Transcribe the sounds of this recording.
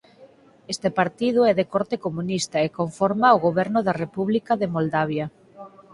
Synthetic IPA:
est̪epaɾt̪ið̞ʊɛðekɔɾt̪ekomunist̪ɐekoɱfɔɾmaoɣoβɛɾnʊðarepuβlikɐðemold̪aβ̞jɐ

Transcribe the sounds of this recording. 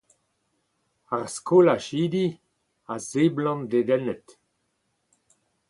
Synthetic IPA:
aʁskʰolaʃiːd̪i | azeblɔ̃nd̪ed̪ɛnɛt̪

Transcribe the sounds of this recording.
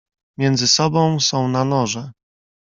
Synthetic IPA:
mʲjɛnd̪zɘsɔbɔ̃w̃sɔ̃w̃nanɔʐɛ

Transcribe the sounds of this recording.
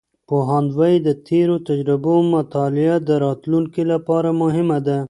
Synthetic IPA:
poɦand̪waid̪ət̪ʰeɾot̪ad͡ʒɾɪbomat̪ɑlɪad̪əɾɑt̪luŋkelapɑɾamʊɦɪmad̪a

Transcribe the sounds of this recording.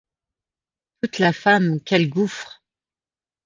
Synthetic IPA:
t̪ut̪lafamkʲɛlɡufχ

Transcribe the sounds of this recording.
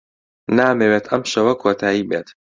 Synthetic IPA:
naːmeːweːt̪ʰɐmʃɐwɐkʰoːt̪ʰaːiːbeːt̪

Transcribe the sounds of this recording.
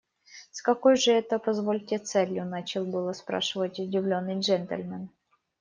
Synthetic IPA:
skɐko̞jʐɨɛt̪əpɐzvolʲtʲɪt̪sɛlʲjʊnat͡ɕɪlˠbɨlˠəspɾa̰ʂɨvətʲʊdʲɪvlʲonːɨjʐɛnt̪ə̰lʲmʲɛn

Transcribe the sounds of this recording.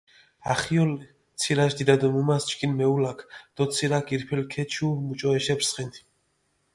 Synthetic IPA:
aχiɔlɛ | t̪sʰiɾaʃd̪id̪ad̪ɔmumast͡ʃʰkʼinmɛulakʰd̪̥ɔt̪sʰiɾakʼiɾpʰɛlkʰɛt͡ʃʰumut͡ʃʼɔɛʃɛbɾsχɛnt̪ʰi̥

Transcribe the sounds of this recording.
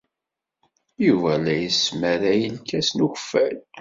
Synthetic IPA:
juvælæjəsməɾæjəlkæsnuçəfːæl

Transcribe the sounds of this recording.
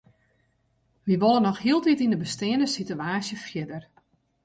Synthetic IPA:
ʋiʋolˠənɔxhiəlˠtitindəbəstɪəndəsityaːsjəfjɪdər

